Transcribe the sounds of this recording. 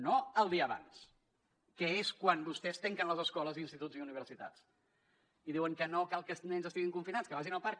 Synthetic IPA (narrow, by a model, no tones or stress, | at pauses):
noəlˠd̪iəːβa̰ns | kɛeskwanbust̪ɛst̪ɛŋkənləzəskɔləzinst̪it̪uziuniβ̞əɾsit̪a̰t͡s | iðiwəŋkənokalˠkənɛnzəst̪iɣiŋkuɱfinat͡sskəβaʒinəlˠpaɾ